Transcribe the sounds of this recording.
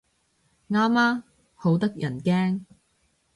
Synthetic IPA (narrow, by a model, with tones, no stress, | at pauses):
ŋaː˥maː˥ | ho˨˥wt̪ɐ˥k̚jɐ˨˩nkɛː˥ŋ